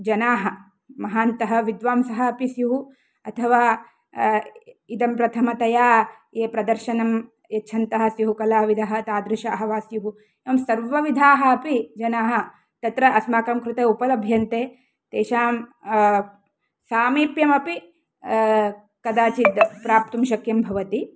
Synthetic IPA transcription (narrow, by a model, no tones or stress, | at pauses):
d͡ʒɐnaːɦɐ | mɐɦaːnt̪ɐɦɐ̆ʋid̪ʋaːmsɐɦɐːpisjuɦu | ɐt̪ʰɐʋaː | id̪ɐmpɾɐt̪ʰɐmɐt̪ɐjaː | eːpɾɐd̪ɐɾʃɐnɐm | jet͡ʃʰɐnt̪ɐɦɐsjuɦukɐlaːʋid̪ʱɐɦɐ̆t̪aːd̪ɾuʃaːɦɐʋaːsjuɦu | jɐmsɐɾʋɐʋid̪ʱaːɦɐɐpid͡ʒɐnaːɦɐ̆ | t̪ɐt̪ɾɐʔɐsmaːkɐmkɾut̪eːupɐlɐbʱjɐnt̪eː | t̪eːʃaːm | saːmiːpjɐmɐpi | kɐd̪aːt͡ʃid̪pɾaːpt̪umʃɐkjɐmbʱɐʋɐt̪i